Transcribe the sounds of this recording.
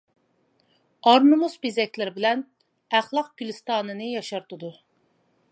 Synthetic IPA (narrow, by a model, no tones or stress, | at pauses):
ɑɾnɨmusbezɛkʲlɪɾɪbɪlɛn | æχlˠɑq̚ɡʲylɪst̪ɑːnɨnɨjɑʃɑɾt̪ud̪u